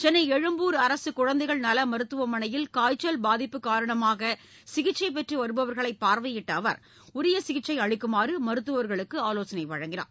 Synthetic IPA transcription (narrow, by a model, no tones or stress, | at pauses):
t͡ʃɛnːɐɪɛɻɯmbuːɾɐɾɐsɯkʊɻɐnd̪ɐɪɣɐɭnɐlɐmɐɾɯt̪ːɯʋɐmɐnɐjɪlkaːjt͡ʃːɐlbaːðɪpːɯkːaːɾɐɳɐmaːɣɐ | sɪɣɪt͡ʃːɐɪp̬ɛʈriʋɐɾɯbɐʋɐɾɣɐɭɐɪpːaːɾʋɐjɪʈːɐːʋɐ̰ɾ | ʊɾɪjɐsɪɣɪʈt͡ʃːɐɪɐɻɪkːɯmaːɾɯmɐɾɯt̪ːɯʋɐʋɐɾɣɐɭɯkːɯaːloːsɐnɐɪʋɐɻɐŋɡɪna̰ː